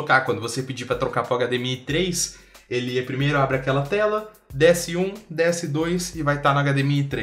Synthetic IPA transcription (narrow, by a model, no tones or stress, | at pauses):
okakwɐ̃nd̪ʊvosepɪd͡ʒipɾɐt̪ɾokapɾɐaɡad̪emiɐɪt̪ɾejs | elɪɛpɾimejɾʊabɾɪakɛlɐt̪ɛlɐ | d̪ɛsɪũd̪ɛsɪd̪ojsɪvajt̪anɐaɡad̪emiɐɪt̪ɾe